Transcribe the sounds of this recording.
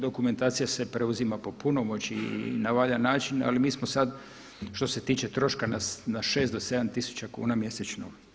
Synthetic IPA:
d̪o̞kume̞nt̪aːt̪sijase̞pɾe̞uzimapo̞punomot͡ʃinaʋaʎanaːt͡ʃina̰limiːsmosad̪ | ʃt̪o̞se̞t̪iːt͡ʃe̞t̪ɾo̞ʃkananaʃe̞ːst̪d̪ose̞d̪amt̪isu̥t͡ɕakṵːnamje̞set͡ʃno

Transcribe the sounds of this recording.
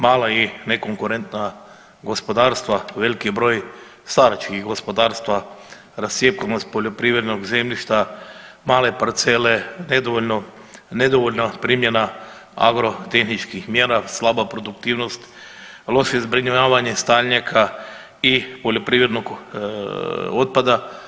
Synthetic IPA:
maːlaineko̞ŋkuɾe̞nt̪na | ɡo̞spo̞d̪aːɾst̪ʋaʋe̞likibɾo̞ːj | st̪aɾat͡ʃkixɡo̞spo̞d̪aːɾst̪ʋa | ɾasjepkanost̪̚po̞ʎo̞pɾiːʋɾed̪no̞ɡze̞mʎʲiʃt̪amaːle̞paɾt̪se̞lened̪oʋono | ned̪oʋoʎnapɾimje̞na | a̰ɡɾo̞t̪e̞xnit͡ʃkixmjeːɾaslˠabapɾo̞d̪ukt̪iːʋno̞st̪ | lˠo̞ʃeizbɾiɲajaːʋaɲe̞st̪aʎɲakʰa | ipo̞ʎo̞pɾiʋɾe̞d̪no̞ɡ | o̞t̪̚pad̪a

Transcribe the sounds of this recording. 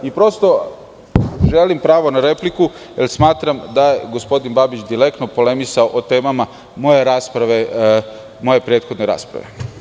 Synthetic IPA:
ipɾo̞st̪o̞ | ʒe̞limpɾaːʋo̞naɾe̞pliku | jelsmaːt̪ɾamd̪aje̞ɡo̞spo̞d̪inbabit͡ʃd̪ile̞kt̪nopo̞le̞misaoʔot̪e̞ːmama | mo̞je̞ɾaːspɾaʋe | mo̞je̞pɾe̞ːt̪xo̞d̪ne̞ɾa̰ːspɾa̰ʋe̞̰

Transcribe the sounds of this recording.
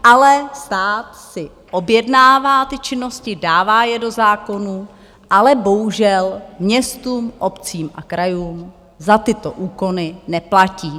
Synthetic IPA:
ʔalɛst̪aːt̪sɪ | ʔo̞bjɛdnaːvaːt̪ɪt͡ʃɪno̞scɪdaːvaːjɛdo̞zaːko̞nuː | ʔalɛbo̞ɦuʒɛlmɲɛst̪uːmʔo̞pt͡siːmʔa̰kɾʔajuːm | zat̪ɪt̪o̞ʔuːko̞nɪnɛplaciː

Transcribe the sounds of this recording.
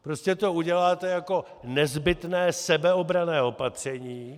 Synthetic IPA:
pɾo̞scɛt̪o̞uɟɛlaːt̪ɛjako̞ | nɛzbɪt̪nɛːsɛbɛo̞bɾanɛːo̞pat̪r̝̥ɛɲiː

